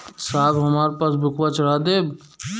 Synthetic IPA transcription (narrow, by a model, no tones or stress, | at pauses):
saːbɦɐmaːɾepaːs̬bʱʊkwat͡ʃəɽ̤aːd̪eː